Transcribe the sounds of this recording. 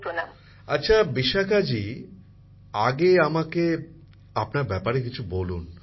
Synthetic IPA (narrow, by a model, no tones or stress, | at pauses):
pɾonam | atːɕʰabiʃakad͡ʑi | aɡeamake | apnaɾbɛpaɾekit͡ɕʰubolun